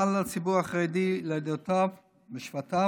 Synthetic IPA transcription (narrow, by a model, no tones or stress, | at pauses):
alat͡sibuʁaχʁed̪iled̪ot̪av | beʃfat̪a